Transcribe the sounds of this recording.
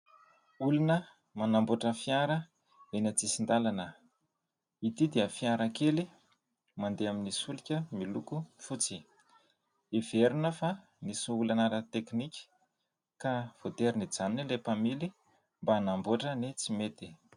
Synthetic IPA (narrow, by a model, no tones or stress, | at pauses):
ulunə | manamboʈ͡ʂəfiaɾə | enat͡sisind̪alanə | it̪id̪eəfiaɾakeli | mand̪eaminisulikʲəmilukufut͡si | eveɾunəfa | nisuulanaɾat̪eknikʲi̥ | kav̥ot̪eɾinid͡zaninilepamili | mbaːnamboʈ͡ʂənet͡simet̪i̥